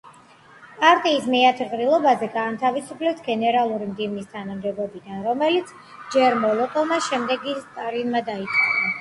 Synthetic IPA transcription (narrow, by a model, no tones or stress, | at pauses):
pʼaɾt̪ʼiːsmɛat̪ʰʁʼɾilˠɔbazɛɡaːnt̪ʰavisupʰlɛpsɡɛnɛɾalˠuɾimd̪ivnist̪ʰanamd̪ɛbɔbid̪anɾɔmɛlit̪sʰ | d͡ʒɛɾmɔlˠɔk̪ʼɔlˠmaʃɛmd̪ɛɡist̪ʼaɾinmad̪ait̪sʼqʼɔna